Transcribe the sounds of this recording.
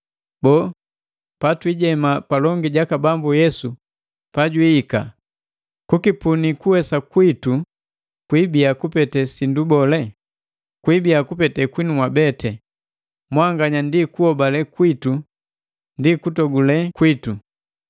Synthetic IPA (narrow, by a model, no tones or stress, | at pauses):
bɔː | patwiɟɛmapalɔŋɡiɟakabambujɛsu | paɟwiːka̰ | kukipunikuwɛsakwitu | kwibiakupɛtɛsindubɔlɛ | kwibiakupɛtɛkwinumwabɛtʰɛ | mwaŋɡaɲandikuɔbalɛkwitu | ndikutɔɡulɛkwitu